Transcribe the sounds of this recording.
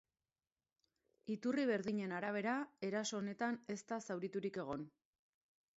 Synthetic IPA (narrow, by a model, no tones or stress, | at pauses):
it̪uriβ̞e̞ɾðiɲe̞naɾaβ̞e̞ɾae̞ɾaso̞ːne̞t̪ane̞st̪asawɾit̪uɾike̞ɣ̞o̞n